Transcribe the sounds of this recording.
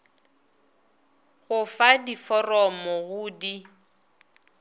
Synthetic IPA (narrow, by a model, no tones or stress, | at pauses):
ɣʊfadifɔrɔmɔɣʊːdi